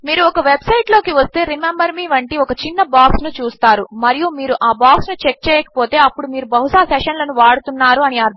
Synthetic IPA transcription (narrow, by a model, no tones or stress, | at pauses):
miːɾuɔkɐʋe̞bsɐjʈlo̞ːkiʋɐst̪e̞ːɾimembɐɾmiːʋɐɳʈiɔkɐt͡ʃinːɐbaːksnut͡ʃuːst̪aːɾumɐɾijumiːɾuʔaːbaːksnut͡ʃek̚t͡ʃɛːjɐkɐ̥po̞ːt̪e̞ːɐpːuɽumiːɾubɐɦusaːsɛːʂɐnlɐnuʋaːɽut̪unːaːɾuɐniaɾd̪ʱ